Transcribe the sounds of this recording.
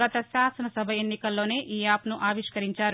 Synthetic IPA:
ɐt̪ɐʃaːsɐnɐsɐbʱɐenːikɐlːo̞ːneːʔiːaːpnuʔaːʋiʂkɐɾiɲt͡ʃaːɾu

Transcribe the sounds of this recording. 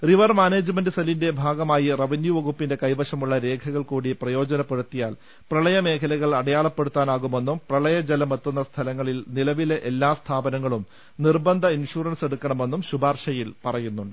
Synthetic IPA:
riʋɐrmaːneːd͡ʑɨmendɨsɐlinde̞bʱaːɡɐmaːjirɐʋinjuʋɐɣupːinde̞kɐjʋɐʂɐmuɭːɐɾe̞ːkʰɐɣɐɭkuːɽiprɐjo̞ːd͡ʑɐnɐpːe̞ɽut̪ːija̰ːl | prɐɭɐjɐme̞ːkʰɐlɐɣɐɭɐɽɐjaːɭɐpːeɽut̪ːaːnaːɣume̞nːumprɐɭɐjɐd͡ʑɐlɐmet̪ːun̪ːɐst̪ʰɐlɐŋːɐɭilnilɐʋileʔelːaːst̪ʰaːbɐnɐŋːɐɭum | nirbɐnd̪ʱɐinʂuːrɐnse̞ɽukːɐɳɐme̞nːumɕubʱaːrʂɐjilpɐrɐjunːuɳɖɨ

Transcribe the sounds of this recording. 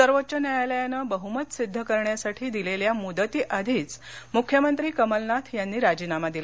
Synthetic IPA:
səɾʋotːt͡ɕənjajaljanəbəɦumət̪sid̪ʱːəkəɾɳjasaʈʰiːd̪ileljamud̪ət̪iːʔad̪ʱiːt͡smukʰːjəmənt̪ɾiːkəməlnat̪ʰjanːiːɾad͡ʑiːnamad̪ila

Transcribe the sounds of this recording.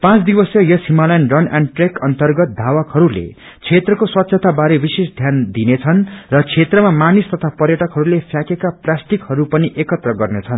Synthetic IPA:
pãt͡sd̪ibʌsjʌjʌsimalʌjnrʌnaɳɖʈrekʌnt̪ʌrɡʌt̪̚d̪ʱawʌkhʌɾulḛ | t͡sʰet̪rʌkoswʌt̪sʰʌt̪ʰabaɾebisesd̪ʱjand̪inet͡sʰʌnrʌt͡sʰet̪rʌmamanist̪ʌt̪ʰapʌɾjʌʈʌkɦʌɾulepʰjakekaplasʈikhʌɾupʌniʔekʌt̪rʌɡʌrnet͡sʰʌn

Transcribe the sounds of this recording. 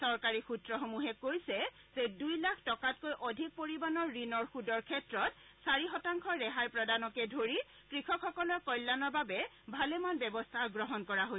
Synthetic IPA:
sɔɹkaɹixutɹɔxomuɦɛkoɹisɛ | zedujlakʰtɔkatkojʔodʱik̚poɹibanɔɹːinɔɹxudɔɹkʰɛtɹɔtsaɹiɦɔtaŋkʰɔːɛɦajpɹɔdanɔkɛdʱoɹi | kɹikʰɔkʰxɔkɔlɔɹkɔjlːanɔɹbabɛ | bʱalɛmanbɛbɔstʰaɡɹɔɦɔnkɔɹaɦoj

